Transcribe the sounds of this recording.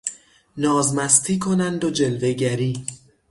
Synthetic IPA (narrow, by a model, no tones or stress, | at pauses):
nɒːzmæst̪ʰiːkʰo̞nænd̪od͡ʒe̞lve̞ɟæɾiː